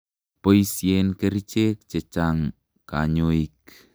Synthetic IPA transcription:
poisjenkeɾit͡ʃek̚t͡ʃet͡ʃaŋ | kaɲoik

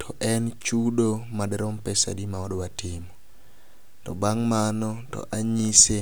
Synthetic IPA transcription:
tʰɔʔɛnt͡ʃudomadɛɾɔmpɛsa̰dimaɔdwatɪmɔ | tɔbaŋmanɔtɔ̰ʔaɲise

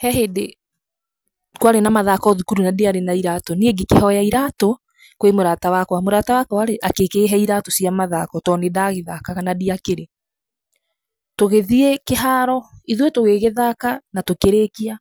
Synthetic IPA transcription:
hɛɦede | kwaɾenamaðakɔðukuɾunadiaɾenaiɾatɔnieɡikehɔjaiɾato | kwemoɾatawakwamoɾatawakɔwaɾeʔakekeɦɛiɾatosiamaðakɔtɔnedaːɣeðakaɣanadiakeɾe | toɣeðiekeɦaɾɔiðwetoɣeɣeðakanatokeɾekia

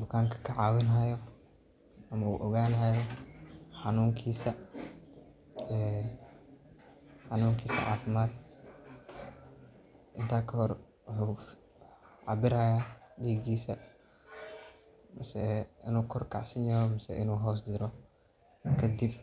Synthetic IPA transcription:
bʊkʰaːŋkʰɐ̥kʰɐʕɑːwɪnɦɐjɔ | ʔɐmɐṵːʔɔɣaːnɦɐjɔħɑnuːŋkʰiːsɐ | ɛː | ħɑnuːŋkʰiːsɐ̰ʕa̰ːfɪmaːd̪ | ʔɪnt̪ʰaːkʰɐhɔr | wħuː | ʕɑ̰bɪɾajaːdiːɡiːsɐ | mɐsɛɪ̰nuːkʰɔrkʰa̰ʕsɪnjɐɾɔmɐsɛ̰ʔɪnuːɦɔːs̬d̪ɪɾɔ | kʰɐd̪ib

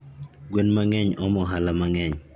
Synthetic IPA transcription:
ɡwenmaŋɛɲɔmɔɦalamaŋɛɲ

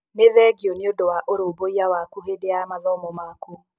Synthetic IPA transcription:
neðɛɡiɔneodowaʔoɾoboiawakuɦedeamaðɔmɔmaku

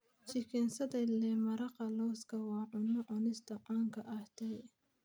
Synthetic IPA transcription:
t͡ʃɪkʰɛnsɐd̪ɐlɛmɐɾɐqɑlɔwskʰɐwɑːʕʊnːɐʔʊnɪst̪ɐqɑːŋkʰɐʔɐht̪ɛj

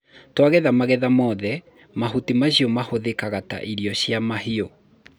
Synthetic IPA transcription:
twaɣɛðamaɣɛðamɔːðɛ | maɦutimaɕiɔmahoðekaɣata̰ʔiɾiɔɕjamaɦio

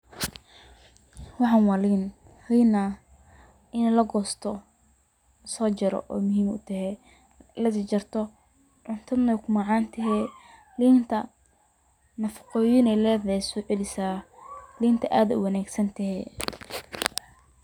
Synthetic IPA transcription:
wɑħɑːnwɑːliːn | hɛjna | ɪnɛlɐɡɔːst̪ʰɔ | sɔːt͡ʃɐɾɔ̰ʔɔ̰ːmʊɦiːmʊ̰t̪ʰɐɦɛ | lɐst͡ʃɐrt̪ʰɔ | ʕʊnt̪ʰɐd̪nɛkʰʊmɑːʕɑːnt̪ʰɐɦɛ | liːnt̪ʰɐ | nɐfɐ̥qɔːjɪnɛlɛːðɛsʊʕɪlɪsaːliːnt̪ʰɐʔaːðɐʊ̰wɑnaːɡsɐnt̪ʰɐɦɛ̰

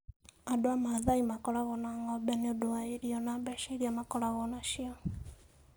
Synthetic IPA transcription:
adoamaðaimakɔɾaɣɔnaŋɡɔbaniodoaiɾiɔnabɛʃeɾiamakɔlaɣɔnaʃiɔ

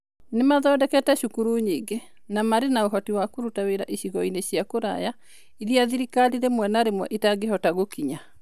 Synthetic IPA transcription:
nemaðɔːdɛkɛtɛʃukuɾuɲiɡe | namaɾenaoɦɔtiwakoɾutaweɾa̰ʔiɕiɣɔineɕiakoɾa̰ja | iðiaðiɾikaliɾemwɛnaɾemwɔʔitaɡeɦɔtaɣokiɲa

